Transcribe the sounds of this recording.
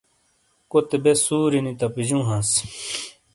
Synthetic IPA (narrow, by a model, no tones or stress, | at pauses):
kot̪ebesuːɾinit̪ɐpid͡ʑũːɦãs